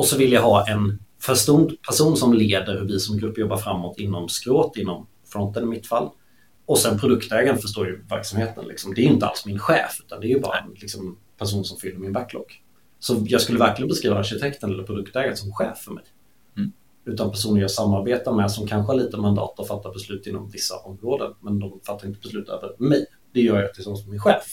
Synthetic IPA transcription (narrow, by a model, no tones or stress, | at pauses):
ɔsɔvɪlːjaɦɑːʔɛnfœʂt̪und̪pʰæʂuːnsɔmleːd̪əɾhʉvɪsɔmɡɾɵpːjɔbːaɾfɾamːot̪ɪnːɔmskɾoːt̪ɪnːɔm | fɾɔnt̪ənɪmɪt̪ːfalː | ɔsɛnpʰɾʊd̪ɵkt̪ɛːɡaɾəfœʂ̬t̪oːɾjɵvæɾksamheːt̪ə̰nlɪ̰ksɔmd̪ɛæɾjʏʏnt̪əa̰lsmɪnɧɛ̰ːfʉ̟ːt̪and̪ɛæɾjɵbɑ̰ːɾa̰ɛ̰nlɪksɔm | pʰæʂ̬uːnsɔmfʏlːəɾmɪnbækːlɔ̰kː | sɔjɑːɡskɵlːəvæɾklɪɡənbɛskɾiːvaːɾɕɪt̪ʰɛkt̪ənɛlːəɾpʰɾʊd̪ɵkt̪ɛːɡaɾəsɔmɧɛːfːœmɛ̰j | ʉ̟ːt̪anpʰæʂuːnənjɑːɡsamːaɾbeːt̪aɾmɛsɔmkʰanɧəhaɭiːt̪əmand̪ɑ̰ːt̪ɔfat̪ːabɛslʉ̟ːt̪ɪnːɔ̰mvɪsːa̰ʔɔmːɾoːd̪ə̰nmɛnd̪ɔmfat̪ːaɾɪnt̪əbɛslʉ̟ːt̪ʰø̰ːvəɾmɛj | d̪̥ɛjœːɾjat̪ɪsɔnsɔmːɪnɧɛːf